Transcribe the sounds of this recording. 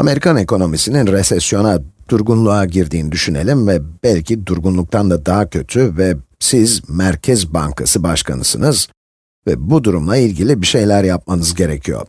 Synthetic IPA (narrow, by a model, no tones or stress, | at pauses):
ame̞ɾikʰaneko̞no̞misininɾesɛsjo̞nad̪̥uɾɡunlˠuaɟiɾd̪iːnid̪yʃyne̞̰lʲimvɛbælʲcʰid̪uɾɡunlˠuk̚t̪ʰand̪ad̪aɦacʰø̞t̪ʰyvɛsizmæɾcʰɛzbaŋkʰasɯbaʃkʰa̰nɯsɯ̰nɯz | vɛ̰bud̪uɾumlˠailʲɟilʲibiʃe̞jlʲæɾjap̚manɯzɟe̞ɾecʰijo̞̰ɾ̥